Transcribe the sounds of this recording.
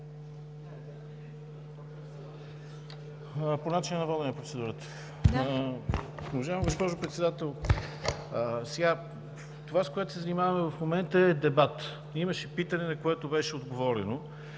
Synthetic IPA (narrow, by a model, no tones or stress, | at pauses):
ponat͡ʃinənɐvɔd̪nnɐpɾot̪sɛd̪uɾət̪ə̥ | ovɐʒavmɡospɔʒʊpɾɛt̪sɛd̪at̪ɛlˠ | sɛɡa | t̪ovaskoɛt̪ʊ̥sɛzɐnimavɐmɛvɐfmomɛnt̪əɛd̪ɛbat̪ | imɐʃɛpit̪ənɛnɐkoɛt̪obɛʃɛod̪ɡovɔɾɛ̰no